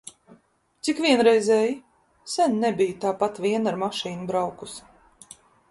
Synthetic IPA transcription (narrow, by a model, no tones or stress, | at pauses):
t̪sikvʲiɛnɾɛjzɛːji | sʲɛnnɛbijt̪aːpat̪vʲiɛnaɾmaʃiːnubɾawkus